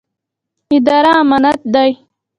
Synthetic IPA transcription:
id̪aːɾamanat̪̚d̪aj

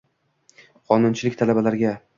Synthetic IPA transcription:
qʰɒnʊnt͡ʃʰɪlɪk̚ʲt̪ʰalabalaɾɡʲa

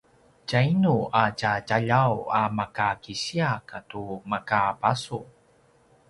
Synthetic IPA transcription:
cainuacacaʎawamakakiɕiakatumakabasu

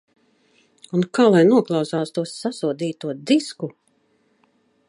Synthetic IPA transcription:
unkaːlˠajnuɔklˠawsaːst̪uɔsːasuɔd̪iːt̪uɔd̪isku

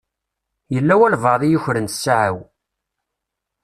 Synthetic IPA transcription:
jəlːæwælvəðˤijuçɾənt̪sːaʕa̰w

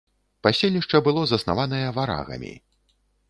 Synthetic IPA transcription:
pasʲelʲnʲiʂt͡ʂɐbɨlˠɔzɐsna̰vanɐjɐvaɾa̰ɣɐ̰mʲḭ

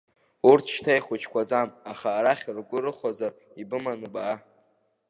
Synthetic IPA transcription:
urtʰʃtʰajχʷʊt͡ʃʰkʷʰad͡zamaχaːɾaχʲrɡʷʊrɨχʷazar | ibɨmanɨbaː

